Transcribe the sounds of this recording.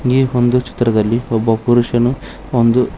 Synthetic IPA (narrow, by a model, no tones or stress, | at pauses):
ŋɡiond̪ut͡ʃi̥t̪ːɾɐd̪ɐlːiɔbːɐpuɾuʂɐnu | ond̪u